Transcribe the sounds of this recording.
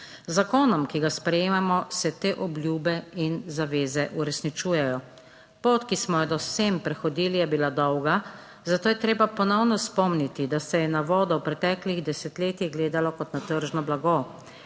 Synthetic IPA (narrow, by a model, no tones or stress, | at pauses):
zakoːnɔmkiɡaspɾɛjeːmamɔsɛt̪eːʔɔblʲjuːbɛinzaʋeːzɛʔuɾɛsnit͡ʃuːjɛjɔ | poːt̪kismɔjɛd̪ɔsempɾɛxɔd̪iːlijɛbilad̪ɔwɡa | zat̪oːjɛt̪ɾeːbapɔnɔwnɔspɔmnit̪id̪asɛjɛnaʋɔːd̪ɔwpɾɛt̪ɛkliɣd̪ɛsɛt̪leːt̪iɣɡleːd̪alɔkɔt̪nat̪əɾʒnɔblaɡo